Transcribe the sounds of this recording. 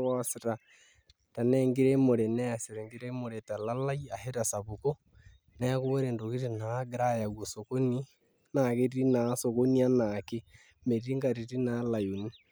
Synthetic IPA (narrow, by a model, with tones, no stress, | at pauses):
ɔ˦si˨ɾa˨ | ta˨nɛ˦ŋɡi˦ɾe˦mo˨ɾe˨nɛ˦a˨se˨ɾe˨ŋɡi˦ɾe˦mo˨ɾe˨ta˨la˦la˦i˦a˨ɦe˦ta˨sa˨βu˨ko˦ | nɛ˦ko˦ɾe˨ndo˨ki˦ɾi˦˨na˨˦ɡɾa˦ja˨ɣwo˨soko˦ni˦ | na˨ke˦ti˦na˨˦so˨ko˦ni˦a˦na˨ke˦ | me˨ɾi˦ŋɡa˨ɾi˨ɾi˦na˨˦la˨jo˨ni˦